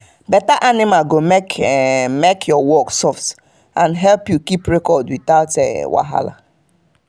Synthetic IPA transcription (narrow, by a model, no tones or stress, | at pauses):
bɛtaʔanimalɡomekmekʰjɔwɔksɔft | ãnɦɛlpjukipɹekɔdwitaʊtɛ̰wa̰ɦa̰la̰